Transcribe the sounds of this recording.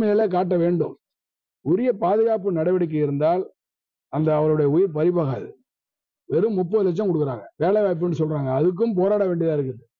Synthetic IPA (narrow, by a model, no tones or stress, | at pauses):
mɐjɪlɐk̬aːʈ̬ːɐʋeːɳɖɯ̰m | ʊɾɪjɐpaːðɯɣaːpːɯnɐɽɐʋɪɽɐk̬ːɐɪɾɯnd̪aːl | ɐnd̪ɐːʋɐɾɯɽɐjɐʊjɪɾpɐɾɪpaːɣaːðɯ | ʋɛɾɯmːʊpːɐðɯlɛt͡ʃ̬ːɐmkɔɽɯkːɯɾaːŋɡɐʋeːlɐɪʋaːjp̬ːɯnːɯsɔlɾaːŋɡɐːðɯk̬ːɯmp̬oːɾaːɽɐʋeːɳɖɪɐðaːɪɾɯkːɯɐðɯ